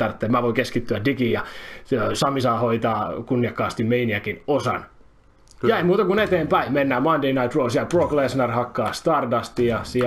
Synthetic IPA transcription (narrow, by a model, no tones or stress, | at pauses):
t̪ɑrt̪ːeːmæʋoikeskit̪ːyædikiːjɑøsɑmisɑːhoit̪ɑːkunːiɑkːɑːst̪immeiniækinosɑ̰n | jɑeimuːt̪ɑkunet̪eːmpæimenːæːmɑndeinɑit̪rosjɑproklesnɑrhɑkːɑːst̪ɑrdɑst̪ijɑsi